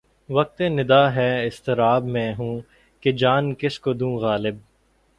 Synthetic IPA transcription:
ʋɐk̚t̪ẽnɪd̪aːɦɛːɪst̪ɪɾaːbmɛ̃ːɦũː | ked͡ʒaːnkɪskod̪ũːɣaːlɪb̚

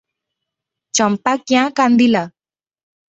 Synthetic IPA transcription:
t͡ʃampakjãkand̪ila

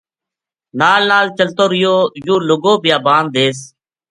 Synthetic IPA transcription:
naːlːaːlt͡ʃəlt̪oːɾɪjoːjuːlʊɡoːbɪjaːbãːnd̪̚d̪eːs

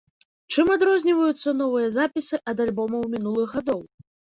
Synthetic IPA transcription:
t͡ʂɨmad̪ɾɔzʲnʲivɐjut̪sːɐnɔvɨjɐzapʲisɨʔɐd̪alʲbɔmɐwmʲinulˠɨɣːad̪ɔw

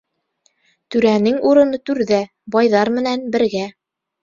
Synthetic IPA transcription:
t̪ʉɾænɘŋuɾɤ̆nɤt̪ʉɾðæ | bɑjðɑɾmɘ̆nænbɘ̆ɾɡæ

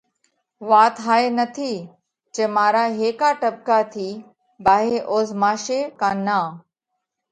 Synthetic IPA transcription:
ʋaːt̪ɦaːeːnət̪ʰiː | t͡ʃeːmaːɾaːɦeːkaːʈəb̚kaːt̪ʰiː | baːɦeːʔoːzmaːʃeːkaːnaː

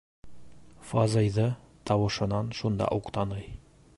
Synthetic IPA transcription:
fɒzɤjðɤ | t̪ɒwɤ̆ʃɤ̆nɑnʃund̪ɑ̰ʔuqt̪ɑnɤj

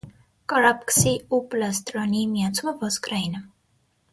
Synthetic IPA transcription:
kɑɾɑpksiuplɑst̪ɾɔnimijɑt͡sʰuməvɔskɾainə

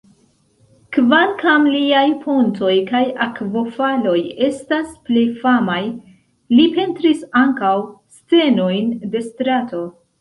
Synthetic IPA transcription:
kvalkamliajpʰonto̞jkajakvo̞falo̞je̞stasple̞jfamaj | lipe̞ntɾisaŋkawst͡se̞no̞jnde̞stɾato̞

